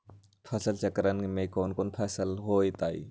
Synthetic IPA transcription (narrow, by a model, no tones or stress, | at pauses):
pʰɐsəlt͡ʃɐkɾənmẽkoːnkoːnpʰɛsəlɦoːit̪aːḭː